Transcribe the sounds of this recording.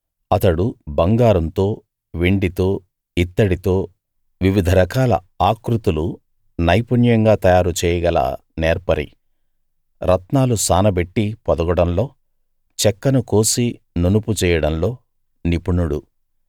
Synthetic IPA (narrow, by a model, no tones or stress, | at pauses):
ɐt̪ɐɽubɐŋɡaːɾɐnt̪o̞ː | ʋeɳɖit̪o̞ː | it̪ːɐɽit̪o̞ː | ʋiʋid̪ʱɐɾɐkaːlɐ̰ | aːkɾut̪ulu | nɐjpunjɐŋɡaːt̪ɐjaːɾut͡ʃɛːjɐɡɐla̰ː | neːɾpɐɾḭ | ɾʔɐt̪naːlusaːnɐbeʈːipɔd̪ɐɡɐɽɐmlo̞ː | t͡ʃɛkːɐnuko̞ːsi | nonuput͡ʃɛːjɐɽɐmlo̞ː | nipuɳuɽu